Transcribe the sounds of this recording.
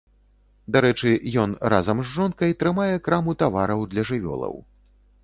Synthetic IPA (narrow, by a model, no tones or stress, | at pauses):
d̪aɾɛt͡ʂɨjɔnra̰zɐmzːɔnkɐjt̪ɾɨmajɛkɾamut̪avaɾɐwd̪lʲɐʐɨvʲɔ̰lˠɐ̰w